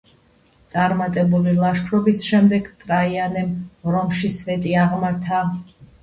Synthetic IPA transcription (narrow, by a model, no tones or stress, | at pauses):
t̪sʼaɾmat̪ʼɛbulilˠaʃkʰɾɔbisʃɛmd̪ɛɡt̪ʼɾaianɛmɾɔmʃisvɛt̪ʼiaʁmaɾt̪ʰa